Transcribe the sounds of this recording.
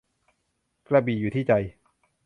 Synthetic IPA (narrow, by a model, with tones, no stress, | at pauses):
kla˧biː˨˩juː˨˩t̪ʰiː˥˩t͡ɕa˧j